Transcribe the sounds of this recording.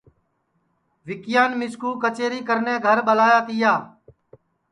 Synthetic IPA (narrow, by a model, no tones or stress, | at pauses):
ʋɪkɪjaːnmɪskuːkət͡ʃeːɾiːkəɾnẽːɡʱəɾɓəlaːjaːt̪ɪjaː